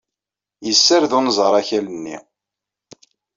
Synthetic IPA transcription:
jəsːəɾðʊnəzˤəɾˤæçælənːḭ

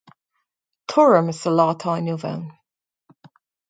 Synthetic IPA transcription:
tʰʊɹəmɪsəlɑːtʰaːnjuva̰wn

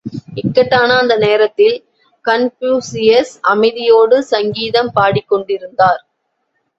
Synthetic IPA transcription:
ɪkːɐʈːaːnɐːnd̪ɐneːɾɐt̪ːɪl | kɐnpjuːsɪjɐsɐmɐɪðɪjoːɽɯsɐŋɡiːðɐmpaːɽɪkːɔɳɖɪɾɯnd̪aːɾ

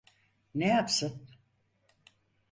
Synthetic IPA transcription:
nejapsɯn

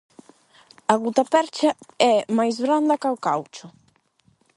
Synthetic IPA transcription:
ɐɣut̪apɛɾt͡ʃaɛmajzβɾand̪ɐkawkawt͡ʃʊ

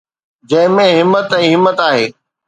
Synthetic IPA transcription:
d͡ʑɐ̃ɦɪ̃mẽɦɪmːət̪ɛ̃ːɦɪmːət̪aːɦeː

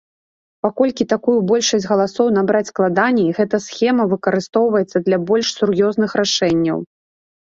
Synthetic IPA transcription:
pakɔlʲkʲit̪akujubɔlʲʂɐsʲɣɐlˠasɔwn̪abɾat͡sʲsklˠad̪anʲiɣɛt̪ɐsxʲɛmɐvɨkɐɾɨst̪ɔwvɐjɛt̪sːɐd̪lʲɐbɔlʲʂsurjɔznɨxɾaʂɛnʲːɐ̰w

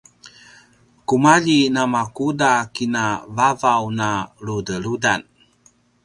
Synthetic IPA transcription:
kumaʎinamakudakinavavawnaɾudəɾudan

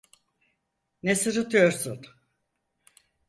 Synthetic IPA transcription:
nesɯɾɯt̪ʰɯjo̞ɾsun

